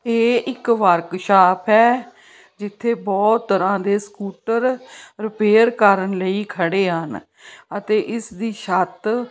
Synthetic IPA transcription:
eːʔɪkʋəɾkʃaːpʰɛː | d͡ʒɪt̪ʰːeːbɔːt̪ːəɾãːd̪eːskuːʈəɾɾɪpeːəɾkəɾənləiːkʰəɽeːɦən | ət̪eːʔɪsd̪iːʃət̪

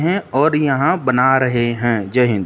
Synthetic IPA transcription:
ɦɛ̃ɔːɾjɐɦãbənaɾɐɦeɦɛ̃d͡ʒəɦɪ̃

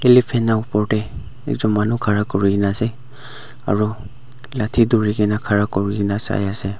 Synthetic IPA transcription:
elipʰɛnaupɔɹtɛ | ɛ̰k̚zɔmːanukʰaɹakɔɹiinasɛ | a̰ɹu | latʰiduɹiɡɛnakʰaɹakɔɹiɡɛnasa̰jasɛ

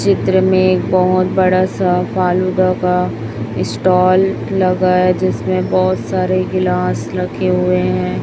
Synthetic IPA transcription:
t͡ʃɪt̪ɾəmẽeːk̚bɔɦʊt̪̚bɐɽasafaːlud̪aka | ɪsʈɔːlːɐɡaɛd͡ʒɪsmẽbɔːt̪saːɾeɡɪlãːsɾɐkʰeɦʊeɦɛ̃ː

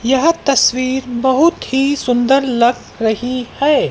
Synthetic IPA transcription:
jɐɦt̪ɐswiːɾbɐɦʊt̪hisʊ̃nd̪əɾlɐɡ | ɾɐɦihɛː

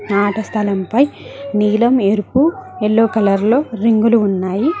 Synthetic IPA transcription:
naːʈɐst̪ʰɐlɐmpɐjniːlɐme̞ɾupuelːoːkɐlɐɾlo̞ːɾiŋɡuluːnːaːji

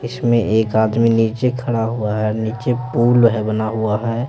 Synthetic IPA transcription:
ɪsmẽʔeːkaːd̪miniːt͡ʃekʰɐɽaɦuaɦɛniːt͡ʃepuːlɦɛbənaɦʊaɦɛː

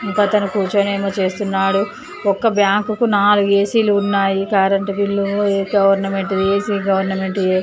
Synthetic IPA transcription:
iŋkot̪ɐnukuːt͡ʃɐneːmɐt͡ʃe̞ːst̪unːaːɽu | ɔkːɐbjaːŋkukunaːluɡeːsiːluːnːaːjikaːɾɐɳʈɐbilːuɡɐʋɐɾnɐme̞ɳʈid̪ieːsiːɡɐʋɐɾnɐme̞ɳʈie

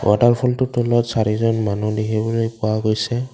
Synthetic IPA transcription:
wʔataɹpʰɔltʊtʰulɔtsaɹizɔnmanudikibɔlojpʊwaɡojsɛ

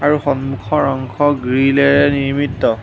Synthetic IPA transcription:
aɹuxɔnmukʰɔɹɔŋkʰɔɡɹilɛɹɛniɹmitːɔ

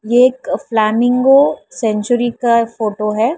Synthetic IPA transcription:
jeeːkflaːmɪ̃ŋɡosɛ̃nt͡ʃʊɾikafoːʈoɦɛː

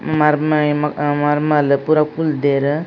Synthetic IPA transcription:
maɾmajmamaɾmaləpuɾakuld̪eɾə

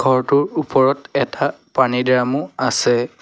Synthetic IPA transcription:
ɡʱɔɹtʊɹupɔɹɔtɛtapanidɹamʊasɛ

